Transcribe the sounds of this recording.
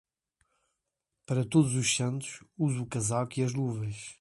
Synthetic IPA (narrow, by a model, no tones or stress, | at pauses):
pɐɾɐt̪oðuzuʃsɐ̃nt̪u̥ʃuzukɐzalˠkiɐʒnuvɐʃ